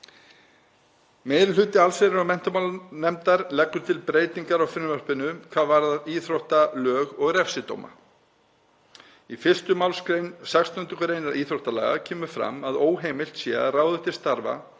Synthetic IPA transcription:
meːjðɾɪlʏːt̪ɪalseɾɪɾɔmɛn̥t̪ʏmawlnɛmt̪aɾlɛkːʏt̪ʰɪlpɾeːjt̪iŋkaɾawfɪɾnvœr̥pɪnʏkʰvaːðvaɾðaðiːθɾowht̪alœːɣɔɣɾɛfsɪt̪o̰wma̰ | ifɪr̥st̪ʏmawlskɾejnsakst̪ʏnt̪ʏkʏɾejnaɾiːθɾowht̪ala̰ːɣa̰cʰɛːmʏfɾa̰maðoːwɦeːjmɪl̥t̪sjɛraːwðʏht̪ɪ̥st̪aɾva̰

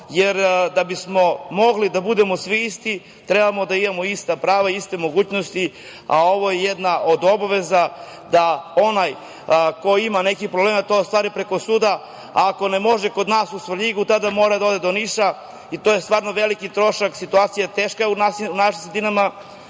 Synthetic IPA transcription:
jeɾd̪abismo̞mo̞ɡlid̪abud̪e̞mosʋiist̪i | t̪ɾebamo̞d̪aimamoist̪apɾaːʋaiist̪e̞moɡuːt͡ɕnost̪i | a̰o̞ʋo̞jejed̪naʔo̞d̪o̞baʋe̞zad̪ao̞naj | ko̞imanekipɾobleːmat̪o̞st̪ʋaːɾipɾeko̞suːd̪a | aːko̞nemo̞ʒekod̪naːsusʋrʎiɡut̪ad̪amo̞ːɾad̪ao̞d̪e̞d̪oniʃa | it̪oje̞st̪vʋaːɾno̞ʋe̞likit̪ɾo̞ʃaksit̪uaːt̪sijat̪eːʃkaunaiunaʃimsɾed̪inama

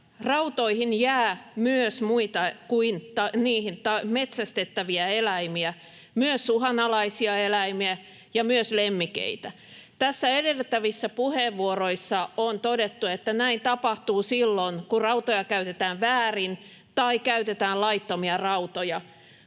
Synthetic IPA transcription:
rɑut̪oihinjæːmyøsmuit̪ɑkuint̪ɑniːhint̪ɑmet̪sæst̪et̪ːæʋiæelæimiæ | myøsuhɑnɑlɑisiɑelæimiæ | jɑmyøslemːikḛit̪æ | t̪æsːæedelt̪ːæʋisːæpuheʋʋuoroisːɑont̪odet̪ːuet̪ːænæint̪ɑpɑht̪uːsilːonkurɑut̪ojɑkæyt̪et̪æːʋʋæːrin | t̪ɑikæyt̪et̪æːlɑit̪ːomiɑrɑut̪ojɑ

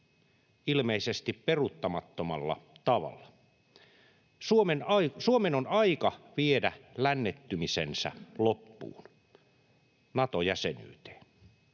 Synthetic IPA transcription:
ilmeisest̪ipperut̪ːɑmɑt̪ːomɑlːɑ̰t̪ɑʋɑ̰lːɑ | suomenɑisuomenonɑikɑʋiedælænːet̪ːymisensæ̰lopːṵːn | nɑt̪ojæseny̰ːt̪e̥ː

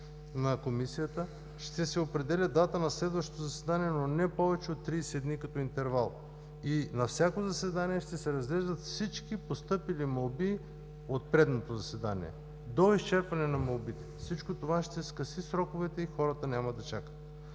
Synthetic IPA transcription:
nɐkomisijət̪ə | ʃt̪ɛsɛopɾɛd̪ɛlʲəd̪at̪ənɐslɛd̪vəʃt̪ot̪ozɐsɛd̪aniɛnonɛpɔvɛt͡ʃɛot̪ːɾiɛsɛd̪nikɐt̪ɔint̪ɛɾvalˠ | inɐfsʲjakozɐsɛd̪aniɛʃt̪ɛsɛɾɐzɡlɛʒd̪ət̪fsit͡ʃkipost̪ɤpilimɐlˠbi | ot̪̚pɾɛd̪not̪ozɐsɛd̪anḭɛ̰ | d̪oist͡ʃɛɾpɐnɛnɐmɐlˠbit̪ɛfsit͡ʃkot̪ovaʃt̪ɛskɐsisɾɔkovɛt̪ɛixɔɾət̪ənʲamɐd̪ɐt͡ʃakə̥t̪̚

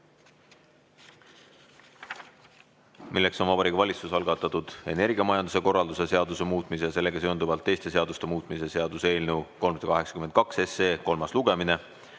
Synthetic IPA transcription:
milːe̞kso̞nvɑbɑɾikvɑlʲit̪susɑlɡ̥ɑt̪ːˑɑt̪ːˑud̪̥e̞ne̞rɡiɑmɑjɑnd̪use̞ko̞rːɑld̪use̞se̞ɑd̪use̞muːt̪ːˑmisejɑse̞lːe̞ɡ̥ɑsøond̪uvɑlt̪ːe̞jst̪e̞s̬e̞ɑd̪ust̪e̞muːt̪ˑmise̞se̞ɑd̪use̞ːlnewko̞lmsd̥̪ɑkɑɦe̞ksɑ̥kyment̪kɑkseseːko̞lmɑsluɡ̥e̞mine̞

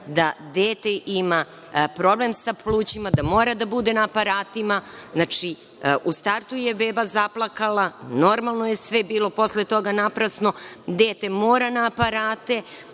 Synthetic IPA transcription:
d̪ad̪eːt̪eʔima | pɾo̞ble̞msaplˠuːt͡ɕimad̪amoːɾad̪abud̪e̞naːpaɾaːt̪imaznat͡ʃi | ʔust̪aɾt̪ujebeːbazaplˠakalˠano̞ɾmalˠnoje̞sʋebiːlˠo̞po̞slet̪o̞ɡanapɾasno̞d̪eːt̪e̞moːɾanaːpaɾaːt̪e̞

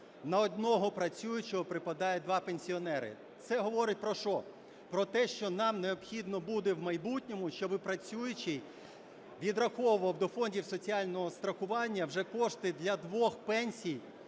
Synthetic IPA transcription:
nɐɔd̪nɔɦɔpɾɐt͡sʲujʊt͡ʃɔɦɔpɾɪpɐd̪ɑjɛd̪ʋɑpenʲsʲiɔnɛɾɪ̰ | t̪sɛɦɔʋɔɾɪtʲpɾɔʃɔ | pɾɔt̪ɛʃt͡ʃɔnɑmneɔbxʲid̪nɔbud̪ewmɐjbutʲnʲɔmʊʃt͡ʃɔbɪpɾɐt͡sʲujʊt͡ʃij | ʋʲid̪rɐxɔwʊʋɐwd̪ɔfɔnʲdʲiwsɔt͡sʲiɑlʲnɔɦɔst̪ɾɐxʊʋɑnʲːɐwʒɛkɔʂt̪ɪd̪lʲɐd̪ʋɔxpɛnʲsʲij

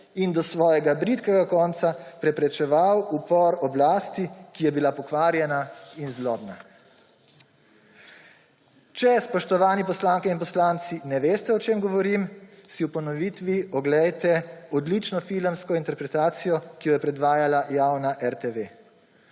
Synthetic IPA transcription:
ind̪ɔsʋɔːjɛɡabɾit̪kɛɡakɔːnt̪sapɾɛpɾɛt͡ʃɛʋawupɔɾɔblaːst̪ikijɛbilapɔkʋaːɾjɛnainzlɔːbna̰ | t͡ʃɛspɔʃt̪ɔʋaːnipɔslaːŋkɛinpɔslaːnt̪sinɛʋeːst̪ɛɔt͡ʃeːmɡɔʋɔɾiːmsiwpɔnɔʋiːt̪ʋiɔɡlɛjt̪ɛɔd̪lit͡ʃnɔfiləmskɔint̪ɛɾpɾɛt̪aːt̪sijɔkijɔjɛpɾɛd̪ʋaːjalajawnaʔɛɾt̪eʋe

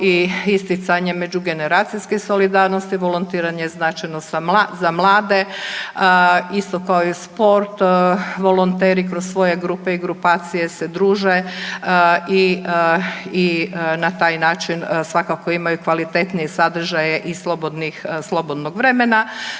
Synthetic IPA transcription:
iist̪it̪saɲemed͡ʑuɡe̞ne̞ɾaːt̪sijskeso̞lid̪aːɾnost̪iʋo̞lˠont̪iːɾaɲeznaːt͡ʃajnozamlˠaːd̪e̞əist̪o̞kaoispo̞ɾt̪ʋo̞lˠont̪eːɾikɾossʋo̞je̞ɡɾupe̞iɡɾupaːt̪sije̞se̞d̪ɾuːʒe | i | inat̪aːjnaːt͡ʃinsʋakako̞imajukʋalit̪e̞t̪nijesad̪r̩ʒajeʔislˠo̞bod̪nixslˠo̞bo̞d̪noɡʋɾe̞mena

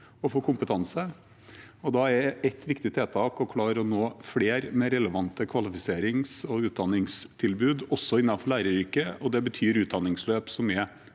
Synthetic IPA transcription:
ɔfoːkʰʊmpət̪ʰɑnsə | ɔd̪ɑɛɛt̪ːʋɪkt̪ɪt̪ʰeːt̪ʰɑːkɔkʰlɑːɾəɔnoːfleːɾmɛɾɛləʋɑnt̪əkʰʋɑlɪfɪseːɾɪŋsɔʉːt̪̚d̪ɑnːɪŋst̪ʰɪlbʉːd̪ɔsːɔɪnːɑnfɔɭæɪɾəɾiːkəɔd̪ɛbət̪ʰyːɾʉːt̪̚d̪ɑnːɪŋsløːpsɔmyːə

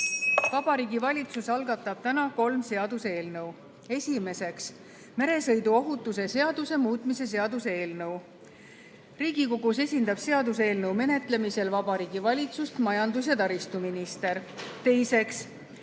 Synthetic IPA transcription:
vɑb̥ɑɾiːɡivɑlʲit̪susɑlɡɑt̪ːˑɑb̥̚t̪ænɑko̞lmse̞ɑd̪use̞ːlnɤw | e̞sʲime̞se̞ks | me̞ɾe̞sɤ̞jd̪uo̞ɦut̪ːˑus̬e̞se̞ɑd̪̥use̞muːt̪ˑmise̞s̬e̞ɑd̪usee̞ːlnɤw | riːɡ̥iko̞ɡuse̞sʲind̪ɑb̥se̞ɑd̪use̞ːlnɤwme̞ne̞t̪ˑle̞mise̞lvɑbɑɾiːɡ̥ivɑlʲit̪sust̪mɑjɑnd̪us̬jɑt̪ɑɾist̪uminist̪e̞ɾt̪e̞jse̞ks

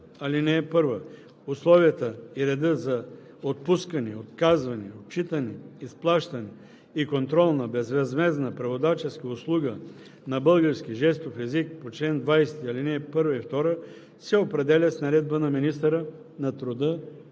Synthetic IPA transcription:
ɐlinɛːpɤɾvə | ʊslˠɔviət̪əiɾɛd̪əzɐ | ot̪̚puskɐnɛot̪kazvɐnɛot̪̚t͡ʃit̪ənɛisplˠaʃt̪ɐnɛ | ikont̪ɾɔlˠnɐbɛzvɛzmɛznəpɾɐvod̪at͡ʃɛskəʊslˠuɡə | nɐbɤlˠɡəɾsk̟ʲiʒɛst̪ofɛzikpot͡ʃlɛnd̪vajst̪iɐlinɛpɤɾvəift̪ɔɾə | sɛopɾɛd̪ɛlʲət̪snɐɾɛd̪̚bənɐminist̪əɾə | nɐt̪ɾod̪ə

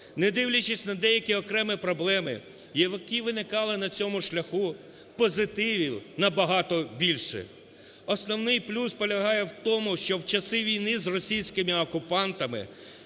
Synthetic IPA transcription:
nɛd̪ɪwlʲɐt͡ʃɪsʲnɐd̪ɛjɐkʲiɔkɾɛmɪpɾɔblˠɛmɪ̰ | jɛʋɪkɪʋɪnɪkɑlˠɪnɐt͡sʲɔmʊʃlʲɐxu | pɔzɪt̪ɪʋʲinɐbɐɦɑt̪ɔbʲilʲʃɛ̰ | ɔsnɔwnɪjplʲuspɔlʲɐɦɑjɛwt̪ɔmʊʃt͡ʃɔwt͡ʃɐsɪʋʲijnɪzrɔsʲijsʲkɪmɪɔkʊpɑnt̪ɐmɪ̰

